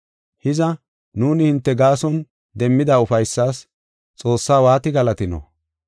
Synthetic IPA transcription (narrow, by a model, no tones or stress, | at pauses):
hɪzɐ | nuːnɪhɪnt̪ːɛɡaːsɔn | d̪ɛmːɪd̪aʊfɐjsːaːs | t͡sʼo̞ːsːaːwaːt̪ɪɡɐlɐt̪ɪnɔ̰